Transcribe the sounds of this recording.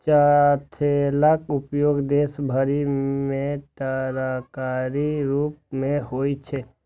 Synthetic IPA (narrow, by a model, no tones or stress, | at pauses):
t͡ʃat̪ʰelakʊpjoɡd̪esbʱəɾimẽt̪əɾakaɾiɾup̚mẽɦojt͡ʃʰe